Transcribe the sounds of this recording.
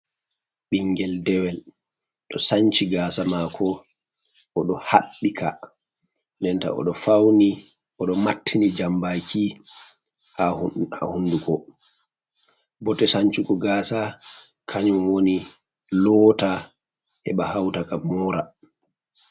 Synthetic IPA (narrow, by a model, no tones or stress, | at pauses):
ɓiŋɡɛldɛwɛl | ɗɔsaɲt͡ʃiɡaːsamakʰɔ | ʔɔɗɔhaɓːikʰa̰ | ndɛnta̰ɔ̰ɗɔfawni | ʔɔɗɔmatʰːinid͡ʒambakʰi | hahua̰hundukɔ | bɔtɛsaɲt͡ʃikɔɡaːsa | kʰaɲumwoni | lɔːta | hɛɓahawtakamɔɾa